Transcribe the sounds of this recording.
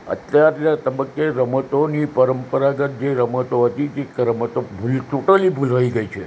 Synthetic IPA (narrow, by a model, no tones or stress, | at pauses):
ə̰t̪jaɾat̪əbəkːeɾəmət̪onipəɾəmpəɾaɡət̪̚d͡ʒeɾəmət̪oɦət̪it̪ekəɾəmət̪obʱultuʈəlibʱulaʋiɡəit͡ʃʰe